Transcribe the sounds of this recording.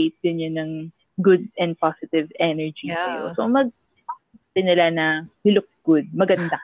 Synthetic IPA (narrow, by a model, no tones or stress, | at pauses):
jt̪̚ɡɐɲːonɐŋ | ɡʊd̪̚ɛnd̪̚pasɪt̪ɪvʔɛnɛɹd͡ʒisɐjo̰so̰mɐɡ̚ | tɪnɐlanɐhʊlʊk̚ɡ̥ʊd̪̚mɐɡɐnd̪a